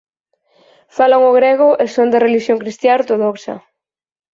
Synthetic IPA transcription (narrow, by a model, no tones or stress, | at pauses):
falaŋʊɣɾeɣʊʔesond̪ereliʃjoŋkɾist̪jaoɾt̪oðoksɐ̰